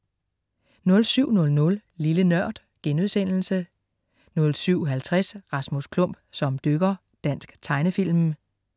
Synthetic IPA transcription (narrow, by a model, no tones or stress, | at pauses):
nɔ̽lsyʊ̰nɔ̽lnɔ̽llilənɶɐ̰d̥ | ɡ̥enuðˠsen̰l̩sə | nɔ̽lsyʊ̰ɦælt͡sʰʁɛsʁɑ̈smuskʰlɔ̽m̰b̥sɒ̽md̥øɡ̥ɐ | d̥æn̰sɡ̥t͡sʰɑ̈ɪnəfil̰m